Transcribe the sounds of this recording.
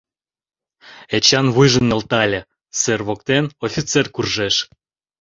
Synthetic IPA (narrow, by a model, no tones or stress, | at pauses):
et͡ɕɑnβujʒə̆nːelt̪ɑlʲĕ | serβokt̪enofʲit͡serkurʒeʃ